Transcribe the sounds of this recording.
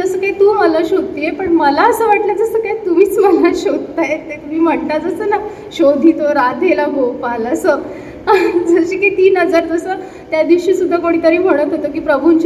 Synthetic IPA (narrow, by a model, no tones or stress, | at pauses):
d͡zəsəːkait̪uːməlaɕod̪̚t̪ijepəɳməlaəsəːʋaʈlad͡zəsəːkajt̪um̤iːt͡sməlaɕod̪̚t̪ajeemiːm̤əʈnad͡zəsəna | ɕod̪ʱit̪oɾad̪ʱelaɡopalasə | d͡zəɕiːkat̪iːnɦəd͡zaɾt̪əsə | t̪jad̪iʋɕiːsud̪ʱːakoɽ̃iːt̪əɾiːm̤əɽ̃ət̪ɦot̪əːkiːpɾəbʱunt͡ɕ